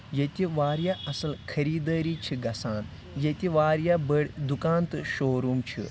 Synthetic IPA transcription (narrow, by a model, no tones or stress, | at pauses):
jet̪ʲiʋaːɾjaʔɐsɐlkʰɐɾiːd̪ɐːɾiːt͡ʃʰiɡɐsaːn | jet̪ʲiʋaːɾjabəɽʲd̪ukaːnt̪ɨʃoːɾumt͡ʃʰḭ